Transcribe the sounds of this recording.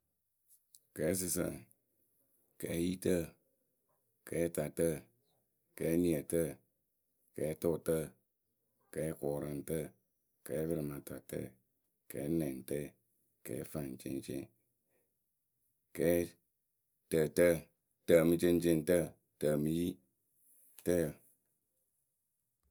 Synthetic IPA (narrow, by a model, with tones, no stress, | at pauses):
kɛ˨˦s̬ɨ˧sə̰˨ | kɛ˨˦ji˦tə˦ | kɛ˨˦ta˨tə˦ | kɛ˨˦ni˨ə˨tə˦˨ | kɛ˨˦to˦˨tə˦ | kɛ˨˦kɔː˨ɾa˨n˦tə˦ | kɛ˨˦bɨ˧ɾɨ˨ma˨ta˨tə̰˦ | kɛ̰˨˦nɛ˨n˨tə˦˨ | kɛ̰ː˨˦fa˨n˨t͡ʃḛ˦nt͡ʃḛ˦ŋ | kɛː˨˦ | tə˨tə˦ | tə˨mɨ˦t͡ʃe˦n˦t͡ʃe˦˨ntə˦˨ | tə˨mɨ˨ji˦ | tə˦ə˨